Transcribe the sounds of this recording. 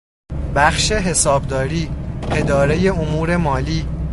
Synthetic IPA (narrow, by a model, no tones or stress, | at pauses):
bæxʃe̞ɦe̞sɒːbd̪ɒːɾiːe̞d̪ɒːɾe̞je̞omuːɾe̞mɒːliː